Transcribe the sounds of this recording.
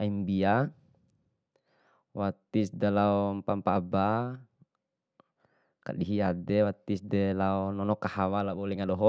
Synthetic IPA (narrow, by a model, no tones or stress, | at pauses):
aimbia | wat̪isdalaɔmpampaba | ka̰ɗiɦiadɛwat̪isdɛlaɔnɔnɔkahawalabɔlɛŋaɗɔɦɔ